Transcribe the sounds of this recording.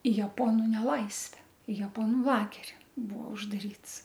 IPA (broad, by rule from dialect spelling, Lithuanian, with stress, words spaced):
ɪ jɛˈpoːnʊ nʲɛˈlˠɐɪsʲʋʲɛ ɪ jɛˈpoːnʊ ˈlˠɑːɡʲɛrʲɪ ˈbuɔ ʊʒdɐˈrʲiːts